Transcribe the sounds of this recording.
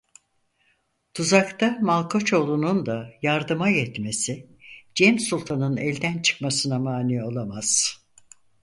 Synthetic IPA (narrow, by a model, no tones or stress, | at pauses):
t̪ʰuzakt̪ʰamalˠkʰo̞t͡ʃʰo̞lˠunund̪ajaɾd̪ɯmajɛt̪me̞sɪ | d͡ʒɛmsulˠt̪ʰanɯnɛlʲd̪ænt͡ʃʰɯ̥kmasɯnamaːnio̞lˠamaz̥